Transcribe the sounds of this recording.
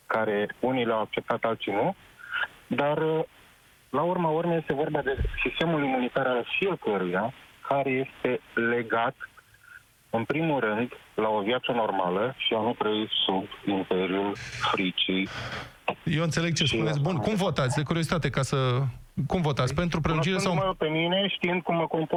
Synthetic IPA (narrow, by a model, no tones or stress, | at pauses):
kaɾe̞unileawak̚t͡ʃe̞p̚t̪at̪alt̪sinu | d̪ar | laurmaormeje̞st̪e̞vo̞rbad̪e̞sist̪e̞mulimunit̪aɾalfije̞kəɾujakʰaɾe̞je̞st̪e̞le̞ɡat̪ | ɨnpɾimulɾɨnd̪lao̞viat̪səno̞rmaləʃianut̪ɾəisubimpe̞ɾjulfɾit͡ʃij | je̞wɨnt̪se̞leɡ̚t͡ʃesppunesʲbunkumvo̞t̪at̪sʲd̪ekuɾiozit̪at̪e̞kasəkumvo̞t̪at̪sʲpe̞nt̪ɾupɾelud͡ʒiɾesawpe̞mine̞ʃt̪iɨnd̪̚kumːəko̞mp